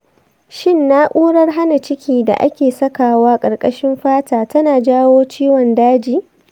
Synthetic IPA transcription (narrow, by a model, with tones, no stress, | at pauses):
ʃɪ˦nːa˦ʔʷuː˦ɽɐ˦rɦa˦na˨t͡ʃɪ˦kʲiː˦da̰˨ʔa̰˦kʲeː˨sɐ˦kaː˨waː˦kʼɐ˨rkʼɐ˦ʃɪ˦mɸaː˦taː˨tɐ˦naː˨d͡ʒaː˦woː˦t͡ʃiː˦wɔ˨ndaː˦d͡ʒiː˨